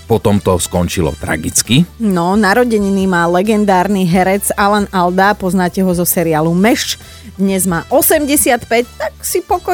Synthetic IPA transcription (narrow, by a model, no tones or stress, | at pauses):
pɔt̪ɔmt̪ɔskɔnt͡ʃilɔ̰t̪ɾa̰ɡit͡skinɔnaɾɔɟɛɲniːmaːlɛɡɛnd̪aːɾniɦɛɾɛt͡salanald̪apɔznaːcɛɦɔzɔsɛɾiaːlumɛʃt͡ʃ | d̪ɲɛzmaːʔɔsɛmɟɛsɪat̪pɛct̪aksipɔkɔ